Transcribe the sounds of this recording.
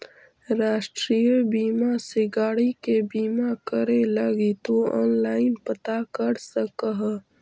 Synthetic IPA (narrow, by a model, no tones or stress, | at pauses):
ɾaːʃʈɾijəbiːmaseɡaːɽikebiːmakəɾelɐɡit̪oɔ̰ːnlaːɪnpət̪akəɾsəkəɦ